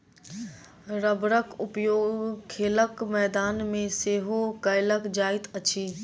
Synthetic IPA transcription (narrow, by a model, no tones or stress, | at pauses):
ɾəbɾəkʊpjoːɡkʰeːləkmɛːd̪aːnmẽseːɦokəɪləkd͡ʒaːɪt̪ət͡ʃʰiː